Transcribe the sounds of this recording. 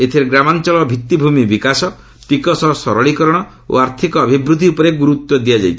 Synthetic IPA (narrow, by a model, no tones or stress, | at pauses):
et̪ʰeɾeɡɾamant͡ʃɔɭɔbʱit̪ːibʱumibikasɔ | t̪ikɔsɔsɔɾɔɭikɔɾɔɽ̃ɔ | o̰aɾt̪ʰikɔːbʱibɾud̪ʱiupɔɾeɡuɾut̪wɔd̪ijad͡ʒa̰jt̪ʰ